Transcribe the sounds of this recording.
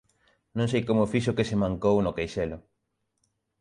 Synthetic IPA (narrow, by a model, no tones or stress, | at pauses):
nõŋsejkomʊfiʃ̬ʊkesemãŋkownʊkejʃelʊ